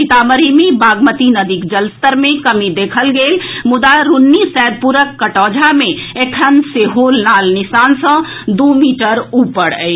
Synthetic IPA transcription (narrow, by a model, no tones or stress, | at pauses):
ɪt̪aːməɾimibaːɡmət̪inəd̪ikd͡ʒəlst̪əɾmẽkəmid̪eːkʰəlɡeːlmʊd̪aɾʊnːisɛːd̪̚puɾəkːəʈɔːd͡ʒʱamẽeʈʰənseɦoːlnaːlnɪsaːnsə̃ | d̪oːmiːʈəɾuːpəɽə̰i